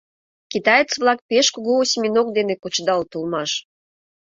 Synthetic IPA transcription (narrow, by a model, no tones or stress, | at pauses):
kʲit̪ɑjet͡svlˠɑk̚pʲeʃkuɣoːsʲimʲinok̚d̪enekut͡ɕd̪ɑlt̪ulˠmɑʃ